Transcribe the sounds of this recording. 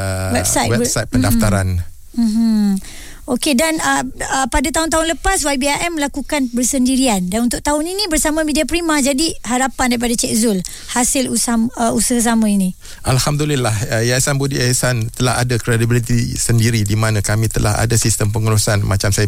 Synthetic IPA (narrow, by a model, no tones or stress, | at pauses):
wɛbsajt̪wɛsajt̪̚pədaft̪aɾan | m̩m̩ | okedanəəpadat̪aɦʊnt̪aɦʊnləpaswajbiaʔɛmːəlakukanbərsəndiɾiandanunt̪ʊk̚t̪aɦʊninĩbərsamãmidiapɾimãd͡ʒadiɦaɾapandaɾipadat͡ʃɛk̚zʊl | hasɪlusaməusəɦs̬amãinĩ | ʔalhamd̪ulilahəjasanbudiasant̪əlaɦa̰dakɾediblit̪isəndiɾidimanãkamĩt̪əla̰ha̰dasist̪əmpəŋəɾusanmat͡ʃamsaja